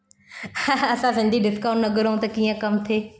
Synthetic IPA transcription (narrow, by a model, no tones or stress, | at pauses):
ɐsãsɪ̃nd̪ʱiɖɪskaːʊ̃ɳʈnɐɡʊɾoũt̪ɐkiːə̃kɐmt̪ʰeː